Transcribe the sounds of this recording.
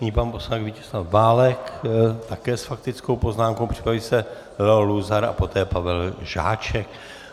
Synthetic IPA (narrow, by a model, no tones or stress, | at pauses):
ɲiːpanposlanɛkvicɛ̥slafvaːlɛkt̪akɛːsfak̚t̪ɪt͡skowpo̞znaːmkowpr̥ɪ̥pɾavisɛ | lɛoluzaɾa̰po̞t̪ɛːpavɛlʒa̰ːt͡ʃɛk